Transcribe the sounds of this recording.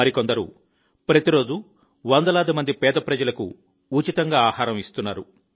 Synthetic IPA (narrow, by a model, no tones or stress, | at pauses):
ɐɾikond̪ɐɾṵ | pɾɐt̪iɾo̞ːd͡ʒu | ʋɐnd̪ɐlaːd̪imɐnd̪ipɛːd̪ɐpɾɐd͡ʒɐlɐkṵ | uːt͡ʃit̪ɐŋɡaːaːhaːɾɐmist̪unːaːɾṵ